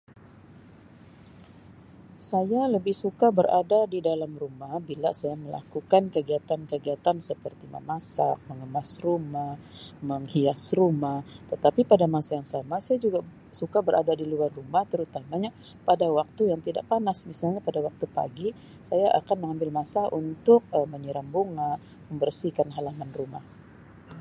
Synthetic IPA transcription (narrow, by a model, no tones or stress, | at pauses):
sajaləbɪhsukabəɾa̰dadidalamrumahbilasajaməla̰kukankəɡiat̪ankəɡiat̪ansəpərt̪ima̰masa̰k̚məŋəmasrumah | məŋhiasrumaht̪ət̪apipadamasajaŋsamasajad͡ʒuɡa | sukabəɾʔa̰dadiluarːumaht̪əɾut̪amaɲa | padawak̚t̪ujaŋt̪ida̰ʔpanasmisalɲapadawak̚t̪upa̰ɡi | sajaʔa̰kanməŋambɪlmasaʔunt̪ʊk̚əməɲəɾambuŋa | məmbərsikanɦalamanruma̰h